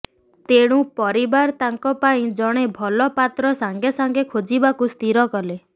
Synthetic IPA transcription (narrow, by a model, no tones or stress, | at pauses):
t̪eɽ̃ũpɔɾibaɾt̪aŋkɔpaĩd͡ʒɔɽ̃ebʱɔlɔpat̪ɾɔsaŋɡesaŋɡekʰod͡ʒibakust̪iɾɔkɔle